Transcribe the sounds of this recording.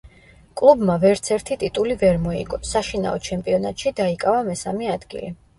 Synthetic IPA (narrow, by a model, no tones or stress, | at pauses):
kʼlˠubmavɛɾt̪sʰɛɾt̪ʰit̪ʼit̪ʼulivɛɾmɔḭɡɔsaʃina̰ɔt͡ʃʰɛmpʼiɔnat̪ʼʃid̪aikʼavamɛsamɛad̪̥ɡḭli